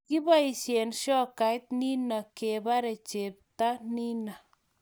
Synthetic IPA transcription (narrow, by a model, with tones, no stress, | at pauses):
ki˦ba˦i˨ʃe˨nʃɔ˦ka˨jt̪̚ni˦na˨ke˨ba˦ɾe˨t͡ʃe˨p̚ta˦ni˦na˨